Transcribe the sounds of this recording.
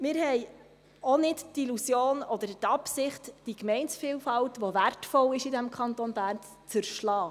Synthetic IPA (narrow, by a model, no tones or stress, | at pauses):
mɪːɾhɛj | ɔnɪttilusjoːnɔd̪əɾtɑpsɪχtd̥ikmɛɪnsfiːlfɑltʋɔvæɾtfɔlɪʃidæmkʰɑntɔnbæːɾn | t͡səɾʃlɑː